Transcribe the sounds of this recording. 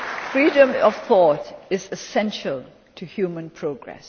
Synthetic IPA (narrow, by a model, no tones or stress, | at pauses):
fɹiːdə̃mɔv̥θɔtɪzɪsɛ̃nʃəl | tʰɨhjuːmə̃npʰɹ̥oɡɹɛ̰s